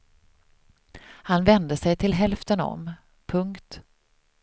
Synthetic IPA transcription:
hanvɛnd̪əsɛjt̪ʰɪlɦɛlft̪ənɔ̰m | pʰɵŋkt̪

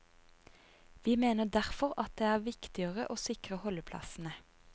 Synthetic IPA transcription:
ʋiːmeːnəd̪æʁfɔʁɑt̪̚d̪eːæːʁʋɪkt̪ɪəʁəʔoːsɪkʁəhɔləpʰlɑ̰sn̩ə

